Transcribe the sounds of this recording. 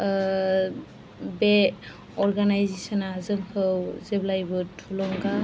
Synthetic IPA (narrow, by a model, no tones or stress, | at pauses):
be | ɔɹɡanajzesɔnazɯŋhɯwzeblajbɯtʰulɔŋɡa